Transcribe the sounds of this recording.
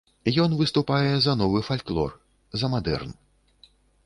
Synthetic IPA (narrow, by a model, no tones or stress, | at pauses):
jɔnvɨst̪upajɛzɐnɔvɨfalʲklˠɔ̰r | zɐmad̪ɛ̰rn